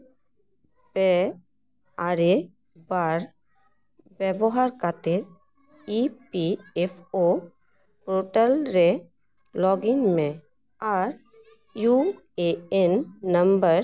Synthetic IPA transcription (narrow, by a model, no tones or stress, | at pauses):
pe | aɾe | baɾ | bɛbɔɦaɾkat̪eɾ | ipiepʰo | pɾoʈəlɾe | lɔːɡɪŋmẽ | aːɾ | ju | eenːə̃mbəɾ